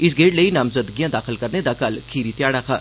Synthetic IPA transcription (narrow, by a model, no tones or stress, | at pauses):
ɪs̬ɡeːʈləiːnaːmzəd̪ɡijãd̪aːxɪlkɐɾned̪akalkʰiːɾit̪ɪjaːɽaːkʰaː